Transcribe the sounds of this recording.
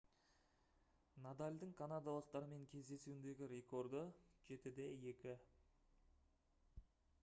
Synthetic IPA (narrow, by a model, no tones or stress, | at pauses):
nad̪alʲd̪əɴkʰanad̪alˠəq̚t̪ɑɾəme̞ŋkʲʰe̞zd̪e̞suɪnd̪e̞ɡʲɪɾe̞kʰo̞ɾd̪əʒe̞t̪ɪd̪e̞je̞kʲɪ